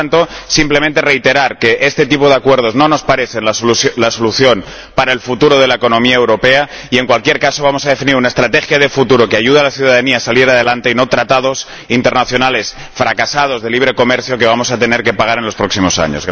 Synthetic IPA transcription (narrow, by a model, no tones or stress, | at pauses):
nt̪o̞simple̞ment̪e̞re̞jt̪e̞ɾaɾke̞ʔe̞st̪et̪ipo̞ð̞e̞akwe̞ɾð̞o̞znõ̞no̞spaɾe̞θe̞nlasolaso̞luθjo̞n | paɾae̞lfut̪uɾoð̞e̞laeko̞nõ̞miaewɾo̞pe̞a | ie̞ŋkwalkje̞ɾkaso̞βamo̞sað̞e̞finiɾunae̞st̪ɾat̪e̞xjað̞e̞fut̪uɾo̞keaʝuð̞alaθjuðaðaniaːsaleɾað̞e̞lant̪e̞ino̞t̪ɾat̪að̞o̞s | int̪e̞ɾnaθjo̞nale̞s | fɾakasað̞o̞zðe̞liβ̞ɾe̞ko̞me̞ɾθjo̞ke̞β̞amo̞sat̪e̞ne̞ɾke̞paɣ̞aɾe̞nlo̞spɾo̞ksimo̞sa̰ɲozɣ